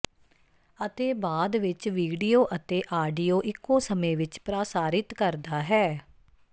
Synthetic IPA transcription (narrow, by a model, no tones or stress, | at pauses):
ət̪eːbaːd̪ʋɪt͡ʃʋiːɖiːjoːʔət̪eːʔaːɖijoːʔɪkːõːsəmẽːʋɪt͡ʃpɾaːsaːɾɪt̪kəɾd̪aːɦɛː